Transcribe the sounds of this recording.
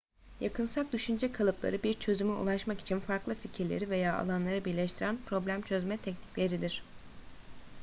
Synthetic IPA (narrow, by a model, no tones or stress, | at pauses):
jakʰɯnsak̚d̪yʃynd͡ʒɛkʰalˠɯplˠa̰ɾɯbiɾt͡ʃʰø̞zymyṵlˠaʃmaki̥t͡ʃʰinfaɾklˠɯficʰiɾlʲḛɾive̞jaːa̰lˠanlˠaɾɯbiɾlʲɛʃt̪ʰiɾænpɾo̞blʲæmt͡ʃʰøzmɛt̪ʰɛcnicʲlʲe̞ɾid̪iɾ̝̥